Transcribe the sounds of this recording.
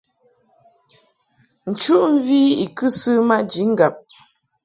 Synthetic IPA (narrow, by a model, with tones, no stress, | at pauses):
n̩˨t͡ʃu˦ʔm̩˦vi˦i˨kɨ˦sɨ˦ma˦ʔd͡ʒi˨˦ŋ̩˦ɡa˨p̚